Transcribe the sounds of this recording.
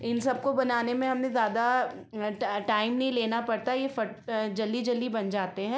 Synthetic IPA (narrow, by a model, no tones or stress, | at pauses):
ɪnsɐb̚kobɐnaːnemẽɦɐmnẽzjaːd̪a | ʈaːɪmnɐɦĩleːnapɐɽt̪ajefɐʈd͡ʒɐlːid͡ʒɐlːibɐnd͡ʒaːt̪eɦɛ̃ː